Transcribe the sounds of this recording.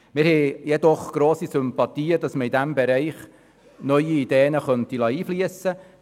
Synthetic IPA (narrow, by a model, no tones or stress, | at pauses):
mɪːɾhɛjɛd̪ɔχɡ̥ɾoːsisʏmpɑt̪iːədɑsməɾid̪æmbɛɾɛɪχ | nœʏiid̪eːnəχœntilɑiːfliəsə